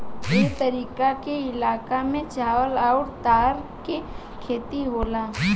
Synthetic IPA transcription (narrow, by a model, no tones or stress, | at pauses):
et̪ɐɾiːkakeɪlaːkamẽt͡ʃaːʋəlaːʊɽt̪aːɾke | kʰeːt̪iɦoːlaː